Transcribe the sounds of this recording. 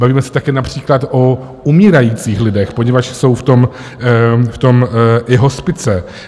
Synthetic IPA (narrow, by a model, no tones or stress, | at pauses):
baviːmɛsɛ̥t̪akɛːnapr̝̥iːklat̪ʔo | umiːɾajiːt͡siːxlɪdɛxpo̞ɲɛvat͡ʃso̞wft̪o̞m | ft̪o̞mɪɦo̞spɪt͡sɛ